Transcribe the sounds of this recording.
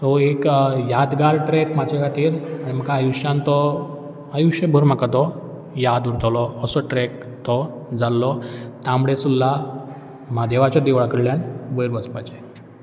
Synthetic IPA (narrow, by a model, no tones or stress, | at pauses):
t̪ɔekjad̪ɡaɾʈɾɛkmad͡ʑakʰat̪iːɾaɽ̃im̤əkaːjuʂjãnt̪ɔ | ajuʂəbʱəɾm̤akat̪ɔ | jad̪uɾt̪ɔlɔːsɔʈɾɛk̚ | t̪ɔ | d͡zalːɔt̪amɽesulːa | mad̪eʋat͡ɕad̪eʋɭakəɽljanʋəjɾʋəspat͡ɕe